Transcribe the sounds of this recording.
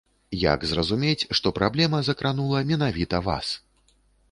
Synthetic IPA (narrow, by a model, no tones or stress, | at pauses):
ja̰ɡzrɐzumʲet͡sʲʂt̪ɔpɾablʲɛmɐzɐkɾanulˠɐmʲɛnavʲit̪ɐva̰s